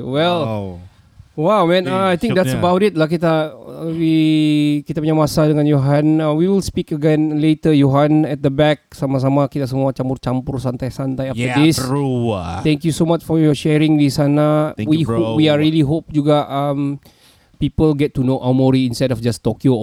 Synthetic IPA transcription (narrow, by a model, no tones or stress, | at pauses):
wɛl | wawmɛ̃naajt̪ɪ̃ŋd̪ɛtsəbawtit̚lak̬it̪awi | kit̪apəɲamasadəŋãnjoɦãnawiwilspikəɡɛ̃nletəjoɦãnɛt̪̚d̪əbɛk̚samas̬amakit̪as̬əmuat͡ʃampʊrt͡ʃampʊrsant̪ajsant̪ajaft̪ədis | t̪ɛ̃ŋkjusomat͡ʃfɔjɔʃɛɹɪ̃ŋdisanawihopwiaɹiliɦop̚d͡ʒuɡaʔam | pipəlɡɛtːunoʔawmɔɹiĩnstɛdɔfd͡ʒastɔkĩ